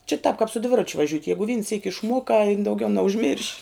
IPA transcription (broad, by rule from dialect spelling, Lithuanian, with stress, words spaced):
t͡ʃʲɛ tɑːp kɑːp sʊ ˈdʲʋʲɪrɐt͡ʃʲʊ ʋɐˈʒʲʊtʲ ˈjæːɡʊ ʋʲiːn sʲiːkʲ ɪʃˈmuɔkɑː ɪn dɐʊˈɡʲɛʊ nʲɛʊʒʲˈmʲɪrʲʃʲ